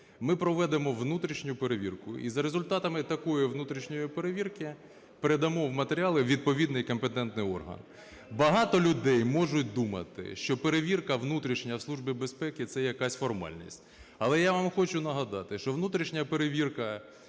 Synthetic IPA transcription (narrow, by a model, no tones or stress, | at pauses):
mɪpɾɔʋɛd̪emɔʋnut̪ɾʲiʃnʲʊpeɾeʋʲirkʊizɐɾezʊlʲt̪ɑt̪ɐmɪt̪ɐkɔjiʋnut̪ɾʲiʃnʲɔjipeɾeʋʲirkɪ | peɾed̪ɐmɔʋmɐt̪eɾʲialˠɪʋʲid̪̚pɔʋʲid̪nɪjkɔmpet̪ɛnt̪nɪjɔ̰rɦɐ̰n | bɐɦɑt̪ɔlʲʊd̪ɛjmɔʒʊtʲd̪umɐ̰t̪ɪ̰ʃt͡ʃɔpeɾeʋʲirkɐʋnut̪ɾʲiʃnʲɐwslˠuʒbʲibespɛkɪt̪sɛjɐkɑsʲfɔrmɑ̰lʲnʲḭsʲtʲɐlˠɛjaʋamxɔt͡ʃʊnɐɦɐd̪ɑt̪ɪʃt͡ʃɔʋnut̪ɾʲiʃnʲɐpeɾeʋʲirkɐ